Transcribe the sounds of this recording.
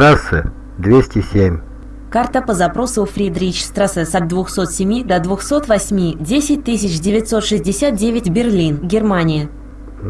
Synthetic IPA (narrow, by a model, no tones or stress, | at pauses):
ɾasɨ̰ | d̪vʲesʲtʲɪsʲemʲ | kart̪əpəzɐpɾo̞sʊfɾʲid̪ɾʲit͡ɕst̪ɾasɨsɐd̪̚d̪vʊxso̞t̪sʲɪmʲid̪ɐd̪vʊxso̞t̪vɐsʲmʲidʲesʲɪt̚ʲt̪ɨsʲɪt͡ɕdʲɪvʲɪt̪ʲso̞t̪ʂɨzʲdʲɪsʲat̪̚dʲevʲɪtʲbʲɪrlʲinɡʲɪrmanʲɪɪ